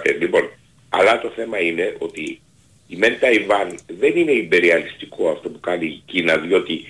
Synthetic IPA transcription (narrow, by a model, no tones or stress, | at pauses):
t̪elipo̞n | ɐ̰lɐt̪o̞θe̞mɐine̞ʔo̞t̪iː | me̞nt̪ɐivɐnðe̞nine̞imbe̞ɾiɐlist̪ikʰo̞ɐft̪opukɐnicinɐðio̞t̪i